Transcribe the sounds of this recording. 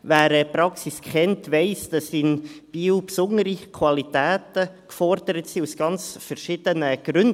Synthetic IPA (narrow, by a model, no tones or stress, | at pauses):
væːɾɛpɾɑksiskʰχɛntʋɛɪsd̥ɛsɪnb̥iːwpsʊnəɾikʰvɑlitæːtəkfɔɾd̥əɾətsiːusɡ̥ɑnt͡sfəɾʃɪd̥ənəɡ̥ɾʉnd